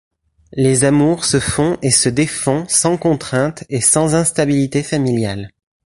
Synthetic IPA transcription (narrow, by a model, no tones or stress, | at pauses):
lezamuʁsəfɔ̃ʔesəd̪efɔ̃sɑ̃kɔ̃t̪χɛ̃t̪esɑ̃zɛ̃st̪abilit̪efamiljal